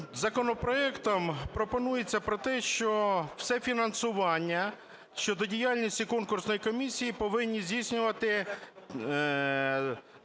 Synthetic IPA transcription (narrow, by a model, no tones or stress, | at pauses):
zɐkɔnɔpɾɔɛkt̪ɔmpɾɔpɔnujet͡sʲːɐpɾɔt̪ɛʃt͡ʃɔw̥sɛfʲinɐnsʊʋɑnʲːɐ | ʃt͡ʃɔd̪ɔdʲijɑlʲnʲisʲtʲikɔnkʊrsnɔjikɔmʲisʲijipɔʋɪnʲːizʲdʲijsʲnʲʊʋɐt̪ɪ